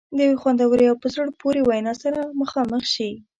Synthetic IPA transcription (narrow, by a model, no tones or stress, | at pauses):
d̪əjiwexwand̪awəɾeawpəzəɽpoɾewajnɑsaɾaməxɑməxʃi